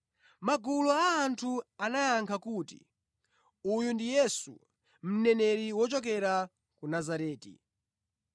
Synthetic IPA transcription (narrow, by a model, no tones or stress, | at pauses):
maɡulɔaːntʰuanajaŋkʰakutḭ | ujundijɛsṵ | m̩nɛnɛɾiwɔt͡ʃɔk̬ɛɾa | kunazaɾɛːtḭ